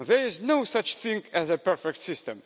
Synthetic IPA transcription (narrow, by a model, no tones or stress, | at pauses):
ðɛɹɪznoʊsʌt͡ʃθĩŋɡɛzɨpɛɹfɛk̚t̪sɪstə̃m